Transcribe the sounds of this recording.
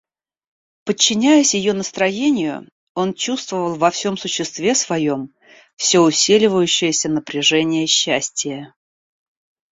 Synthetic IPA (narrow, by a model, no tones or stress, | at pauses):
pət͡ɕːɪnʲæjəsʲjɪjonəst̪ɾɐjenʲɪjʊ̰ | o̞nt͡ɕust̪vəvəlˠvɐfsʲo̞msʊɕːɪst̪vʲesvɐjo̞m | fsʲoʊsʲilʲɪvəjʉɕːɪjəsʲənəpɾʲɪʐɛnʲɪjəɕːæsʲtʲɪjə